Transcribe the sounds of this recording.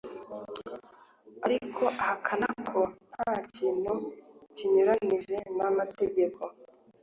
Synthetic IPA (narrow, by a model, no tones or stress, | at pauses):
aɾikʰo̞ʔahakʰanakʰo̞n̥haːciːn̥huciɲuɾaniʒe̞namate̞ɟe̞kʰo̞